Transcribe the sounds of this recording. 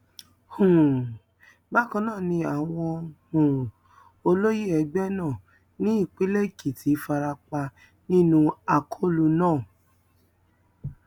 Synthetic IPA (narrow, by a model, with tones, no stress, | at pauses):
hũ˨ | ba˦˨kã˧˦nãː˦˨nĩ˧a˨w̃ɔ̃˧hũ˨ | o˧lo˦ji˦ɛ˧ɡ͡bɛ˦nãː˦˨ | nĩ˦i˦˨k͡pi˦le˦˨ki˨ti˨˦fa˧ɾa˧k͡pa˧ | nĩ˦nũ˧a˨kʰo˦˨lu˧nãː˦˨